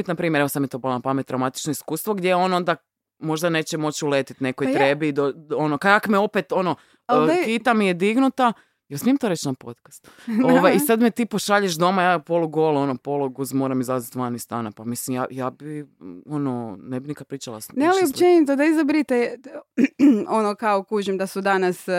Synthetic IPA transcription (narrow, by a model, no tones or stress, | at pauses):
it̪napɾiːmjeɾeʋosamjet̪obalapamet̪ːɾawmat̪i̥t͡ʃnoiskuːst̪ʋo̞ɡd̪jejo̞no̞nd̪a | mo̞ʒd̪ane̞ːt͡ɕɛmo̞t͡ɕulet̪it̪ne̞kojt̪ɾebid̪oo̞nokaakmeo̞pet̪o̞no | kit̪amijed̪iɡnut̪a | jelsmijemt̪oɾet͡ʃnapo̞̰t̪kḁst̪oʋajisad̪met̪iːpoʃaʎeʃd̪o̞majaːpo̞luɡolo̞nopo̞lˠuɡuzmo̞ːɾamizazit̪ʋanist̪a̰ːnapamislimja̰ːjaːbio̞nonebinikapɾiːt͡ʃalˠa̰snealiopt͡ʃenit̪od̪aizabɾit̪e | onokaokuʒemd̪asud̪anas